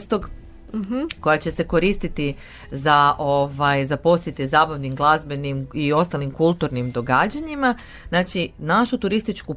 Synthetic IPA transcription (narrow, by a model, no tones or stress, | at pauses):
st̪o̞ɡ̩ | ko̞jat͡ɕe̞se̞ko̞ɾist̪it̪i | zaʔoʋajzapo̞sje̞t̪ezaːbaʋnimɡlˠazbe̞nimio̞st̪alimkulˠt̪uɾnimd̪o̞ɡaːd͡ʑaɲima | znaːt͡ʃinaʃut̪uɾist̪it͡ʃku